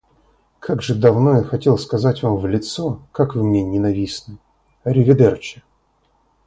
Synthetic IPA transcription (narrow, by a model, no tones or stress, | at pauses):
kʰaɡʐɨd̪ɐvno̞jaxɐtʲe̞lˠskɐzatʲvamvlʲɪt̪sokakvmʲenʲɪnɐvʲisnɨ | ɐɾʲɪvʲɪd̪ɛrt͡ɕɪ̥